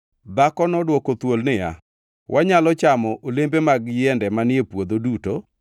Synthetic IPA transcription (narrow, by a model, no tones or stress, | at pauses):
d̪akɔnɔdwɔkot̪wolnɪja̰ | wʔaɲalɔt͡ʃamɔʔolembemaɡjɪɛndɛmanjepwod̪oduto